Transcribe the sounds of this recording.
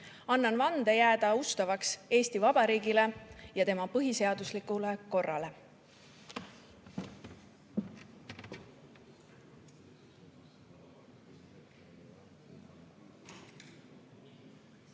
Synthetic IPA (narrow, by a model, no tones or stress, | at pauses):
ɑnːɑnvɑnd̪̥ejæːd̪̥ɑust̪ɑvɑkse̞ːst̪ivɑb̥ɑɾiːɡile̞jɑt̪e̞mɑpɤɦise̞ɑd̪uslikˑuleko̞rːɑle̞